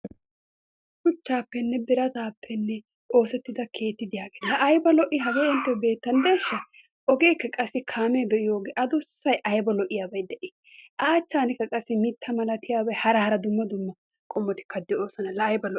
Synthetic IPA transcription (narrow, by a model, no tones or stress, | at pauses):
kʊt͡ʃːaːpːɛnːɛbɪɾɐt̪aːpʰːɛnːɛ | ʔo̞ːsɛt̪ːɪd̪ɐkʰe̞ːt̪ːɪd̪ɪjaːɡeːnhɐʔɐjbɐlɔʔɪɦɐɡeːɛnt̪ːɐbe̞ːt̪ːɐnd̪e̞ːʃːɐ | ʔɔɡeːkːɐkʼɐsːɪkʰaːmɛbɛʔɪjoːɡeːʔɐd̪ɔssɐjʔɐjbɐlɔʔɪjaːbɐjd̪ɛʔɪ | ʔɐːt͡ʃːaːnɪkːɐkʼɐsːɪmɪt̪ːɐmɐlɐt̪ɪjaːbɐjhɐɾɐhɐɾɐd̪ʊmːɐd̪ʊmːɐ | kʼɔmːɔt̪ɪ̥kʰːɐd̪ːɪo̞ːsɐnɐlɐːjbɐlɔ